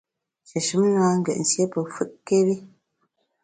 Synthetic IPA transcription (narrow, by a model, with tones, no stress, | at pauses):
t͡ʃə˨ʃʉ˨˦mnwaː˦ŋ̩˦ɡɛ˨ʔn̩˨sje˦pə˨fɯ˦ʔke˦bi˦